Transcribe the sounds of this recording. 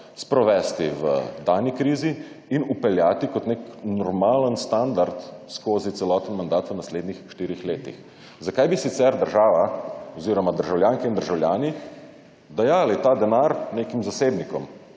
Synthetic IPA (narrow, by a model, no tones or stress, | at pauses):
spɾɔʋɛst̪iʋə̰d̪aːnikɾiːzi | inupɛljaːt̪ikɔt̪neknɔɾmaːlənst̪and̪aɾt̪skoːzit̪sɛlɔːt̪ənmand̪aːt̪ʋənasleːd̪nixʃt̪iːɾixleːt̪ḭx | zakajbisit̪sɛɾd̪əɾʒaːʋaɔziɾɔmad̪əɾʒawljaːŋkɛind̪əɾʒawljaːni | d̪ɛjaːlit̪aːd̪ɛnaːɾneːkimzaseːbnikɔm